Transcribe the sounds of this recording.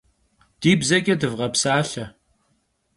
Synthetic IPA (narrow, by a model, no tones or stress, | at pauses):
d̥iːbzɐkʲʼɛdɨvʁɐpsaːɬɐ